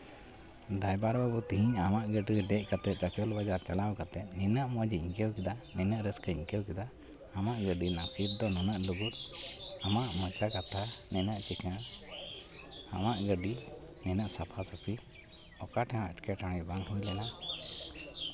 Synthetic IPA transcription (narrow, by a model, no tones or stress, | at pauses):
ɖajbaɾbabut̪iɦiɲamaʔɡəɖid̪ɛc̚ˀkat̪ɛt͡ʃat͡ʃɔlbad͡ʒaɾt͡ʃalawkat̪ɛnɛnəʔmɔd͡ʒiiɲkɛwkid̪anɛnəʔɾəskəiɲkɛwkid̪aː | maʔɡəɖinasip̪̚d̪ɔnunəʔluɡut̪̚amaʔmɔt͡ʃakat̪ʰanɛnəʔt͡ʃikã | amaʔɡəɖi | nɛnəʔsapʰasəpʰi | ɔkaʈʰɛãəʈkɛʈaɽ̃ibaŋɦujlɛna